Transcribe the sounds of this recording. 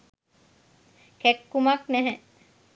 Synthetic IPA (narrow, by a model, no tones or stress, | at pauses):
kɛkːumaknɛɦɛ